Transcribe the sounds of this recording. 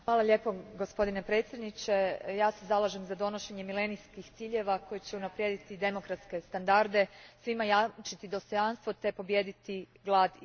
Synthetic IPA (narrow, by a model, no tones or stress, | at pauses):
xʋaːlˠaʎe̞ːpo̞ɡo̞spo̞d̪inepɾe̞ːt̪sje̞d̪nit͡ɕe̞jaːse̞zalˠaʒe̞mzad̪o̞noʃe̞ɲe̞mile̞nijskixt̪siːʎe̞ʋako̞jet͡ɕe̞unapɾje̞ːd̪it̪id̪e̞mo̞kɾat̪ske̞st̪and̪aɾd̪e̞sʋimajat͡ʃit̪id̪o̞st̪o̞janst̪ʋo̞t̪e̞po̞bje̞ːd̪it̪i | ɡlˠaːd̪